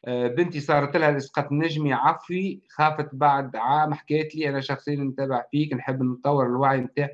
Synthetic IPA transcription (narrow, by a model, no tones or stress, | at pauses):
bɪnt̪isˤɑːɾˤt̪ɪlhælʔɪsqɑːt̪nɪʒmiʕɑfwixɑːfət̪baʕd̪ʕaːmħakɛːt̪liʔænæʃɑxsˤɨjːnt̪æːbɪʕfiːknħəbːnt̪ˤːɑwːɪɾɪlwaʕjmt̪aːʕ